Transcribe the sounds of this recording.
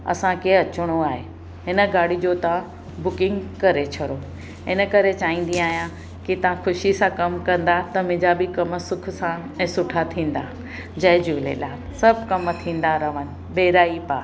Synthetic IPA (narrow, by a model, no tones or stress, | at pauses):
ɐ̰sãkʰeɐt͡ɕʊɽ̃oaːɦe | ɦɪnəɡaːɽid͡ʑot̪ɐʋ̤ã | bʊkɪ̃ŋɡkɐɾet͡ɕʰɐɽo | ɦɪnə̆kɐɾet͡ɕaːɦĩːn̆d̪ĩaːɦijã | kit̪ɐʋ̤ãxʊʃisãkɐmkɐ̃nd̪at̪ɐmɪ̃d͡ʑabɪkɐməsʊkʰʊ̆sã | ɛ̃ːsʊʈʰat̪ʰĩːn̆d̪a | d͡ʑɐɦd͡ʑulḛːlaːsɐbʱkɐmt̪ʰĩːn̆d̪aɾɐʋənɪ̆ | ɓeːɾaːipaː